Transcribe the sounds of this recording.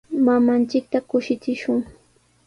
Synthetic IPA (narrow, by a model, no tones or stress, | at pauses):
mamant͡ʃɪk̚t̪akʊʃɪt͡sɪʃʊŋ